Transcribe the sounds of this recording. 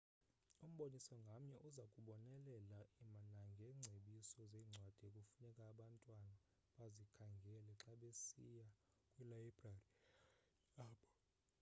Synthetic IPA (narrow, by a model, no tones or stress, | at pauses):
um̩ɓonisɔŋɡʱam̩ɲɛʔuzakʼuɓɔnɛlɛlaimanaŋɡʱɛːŋ͡ǀʱeɓisɔzeːŋ͡ǀʱwad̥ʱiekʼufunɛkʼaːɓantʼwana | ɓazikʰaŋɡʱɛlɛǁaɓesḭja | kʼwilaibrari | aːɓɔ